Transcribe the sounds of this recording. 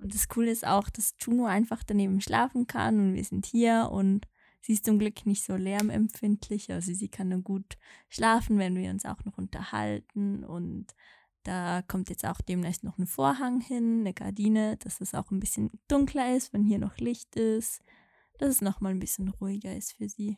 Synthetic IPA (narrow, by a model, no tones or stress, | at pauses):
ʔʊnt̚d̥askʰuːləɪsta̰ʊxd̥astʰuːnoʔaɪnfaχd̥aneːbm̩ʃlʔa̰ːfn̩kʰa̰nʊntvḭːɐzɪnthiːɐʔʊ̰nt | z̥iːɪstt͡sʊmɡlʏknɪçtz̥oːlɛɐmɛ̰mfɪntʰlɪçʔa̰lzoziːkʰanːuːɡuːtʃlaːfn̩vɛnviːɐʊnsa̰ʊxnɔχʔʊntɐ̰ha̰ltn̩ʊ̰nt | d̥aːkʰɔmtjɛt͡sta̰ʊxd̥eːmnɛçstnɔχnəfoːɐɦaŋhɪnːəɡa̰ɐdiːnəd̥asd̥asa̰ʊxnbɪsçənd̥ʊŋkʰlɐɪstv̥ɛnhiːɐnʔɔ̰χlɪçtɪst | d̥asɛsnɔχmaːlnbɪsçənʁuːɪɡɐɪ̰stfyːɐziː